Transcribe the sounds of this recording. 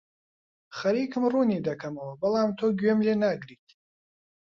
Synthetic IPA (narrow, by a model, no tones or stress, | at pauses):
χɐɾikʰɨmrunid̪akʰamawbɐlamt̪ʰoɡʲɥɛmlenaɡɾitʲʰ